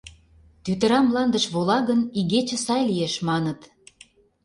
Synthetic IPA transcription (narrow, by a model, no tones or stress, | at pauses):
t̪yt̪ə̆ɾɑmlɑnd̪ə̆ʃβolɑɣəniɣet͡ɕə̆sɑjlijeʃmɑnət̪